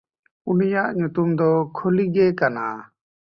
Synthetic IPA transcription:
unijaʔɲut̪umd̪ɔkʰoliɡɛkana̰

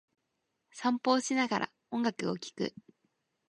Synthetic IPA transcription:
sãmpo̞ːɕinaɡaɾʔa̰ | õ̞ŋɡakɯ̟o̞kʲi̥kɯ̟̰

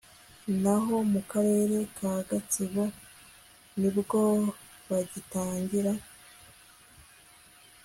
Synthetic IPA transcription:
naɦo̞mukaɾe̞ːɾe̞kʰaːɡat͡siβo̞ | nibɡo̞ | βaɟitaːɲɟiɾa

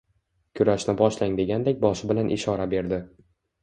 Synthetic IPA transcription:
kʲʰʊɾaʃnɪbɒʃlaŋd̪e̞ɡʲand̪ek̚ʲbɒʃɪbɪlanʔɪ̰ʃɒɾabe̞ɾd̪ɪ

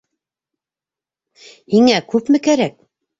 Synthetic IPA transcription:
hiŋækʉpmɘ̆kæɾæk̚

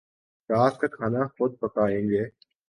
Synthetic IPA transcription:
ɾaːskakʰaːnaxʊd̪̚pəkaːẽːŋɡeː

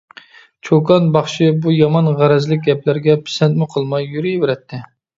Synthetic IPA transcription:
t͡ʃʰokɑnbɑχʃɪbujɑmɑnʁæɾɛzlɪk̚ʲɡʲɛplæɾɡʲɛpʰɪ̥sɛnt̪mɪqʰəlˠmɑjːyɾijbeɾɛt̪ʰːɪ

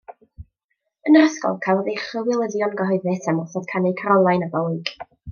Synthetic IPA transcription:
ənraskɔ̰lˠkʰalˠðeχəwɪlˠədjɔnɡəɦɔɨðɨsamɔθɔd̥kʰanɪkʰaɾɔlˠajnabɔwɨɡ̥

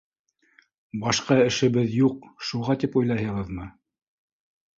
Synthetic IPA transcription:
bɑʃqɑɘ̆ʃɘ̆βɘðjuqʃuʁɑt̪ipujlˠɑɦɤ̆ʁɤðmɤ

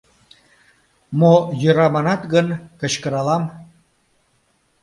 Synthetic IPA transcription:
mojəɾɑmɑnɑt̪ɣənkə̆ɕkəɾɑlɑm

